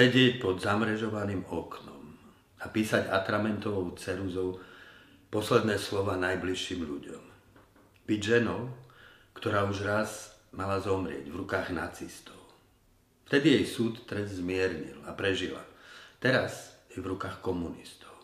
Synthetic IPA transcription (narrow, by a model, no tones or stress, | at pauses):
sɛɟɪɛc̚pɔd̪zamɾɛʒɔʋaniːmɔknɔm | apiːsaɟat̪ɾamɛnt̪ɔʋɔʊt͡sɛnuzɔʊ | pɔslɛd̪nɛːslɔʋaːnajbliʃːiːmʎṵɟɔ̰m | b̥iɟʒɛnɔʊ | kt̪ɔɾaːuʒɾazmalazɔmɾɪɛ̰ɟvɾukaːɣnat͡sist̪ɔʊ | ft̪ɛd̪ijɛjsuːt̪ːɾɛzzmɪɛɾɲḭlapɾɛʒila̰t̪ɛɾazjɛvɾukaːxkɔmunist̪ɔ̥ʊ